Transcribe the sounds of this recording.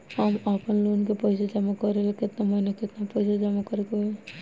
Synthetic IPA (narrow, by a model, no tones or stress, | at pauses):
həmapənlonkepəɪsad͡ʒamakəɾelekɪt̪naməinekɪt̪napəɪsad͡ʒamakəɾeke